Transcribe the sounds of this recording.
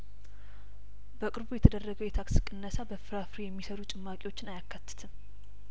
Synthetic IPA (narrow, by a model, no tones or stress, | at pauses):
bəkʼɨɾbujɛt̪ʰəd̪ərːəɡəwjɛt̪ʰaksɨkʼːɨnːəsabəfɨɾafɾijɛmːisəɾut͡ʃʼɨmːakʼewo̞t͡ʃːɪnajakːat̪ːɨ̥t̪ʰɨm